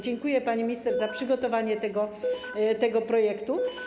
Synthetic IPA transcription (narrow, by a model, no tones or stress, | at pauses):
d͡ʑɛŋkujɛpaɲimʲist̪ɛʐzapʂɘɡɔt̪ɔvaɲɛt̪ɛɡɔ | t̪ɛɡɔpɾɔjɛkt̪u